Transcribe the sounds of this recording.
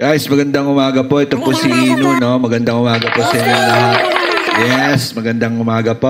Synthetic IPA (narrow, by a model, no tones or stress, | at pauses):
ɡajsmɐɡɐnd̪aŋʊmaːɡɐpo̞ʔɛt̪oposiʔiːnuno̞mɐɡɐnd̪aŋʔʊmaːɡɐposɐɐɲoŋlɐɦat̪̚jɛsmɐɡɐnd̪aŋʔʊmaːɡɐpo